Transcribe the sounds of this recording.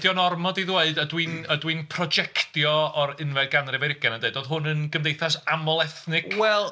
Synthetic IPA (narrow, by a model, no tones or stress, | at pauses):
d̥jɔnɔrmɔdiðweɨdədwinədwinpʰrɔd͡ʒɛkʰtjɔɔɾɪnvɛdɡanrɪvɛɾɪɡanandeɨdoːðɦʊnənɡəmdejθasamɔlˠɛθnɪkwɛlˠ